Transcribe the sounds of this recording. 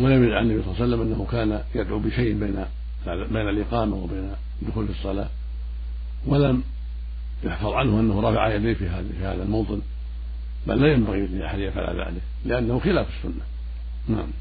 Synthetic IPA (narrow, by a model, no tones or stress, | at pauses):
walamjɪd̪ʕaʕanːabijsˤlɑːsalːamʔanːahʊkaːnajad̪ʕubɪʃajʔbeːna | beːnalʔɪqɑːmawɪbaːn | d̪ːʊxuːlfisˤːɑla̰ː | walam | jʊħfɑðˤʕanhʊʔanːahʊɾˤɑfaʕajad̪iːfia | fiha̰ːðalmowt̪ˤɨn | ba̰lːaːjambaɣijʊt̪niʔaħad̪jːafʕa̰la̰ða̰ːlɪk | lɪʔanːahʊxɪlaːfɪsːʊnːa | naʕam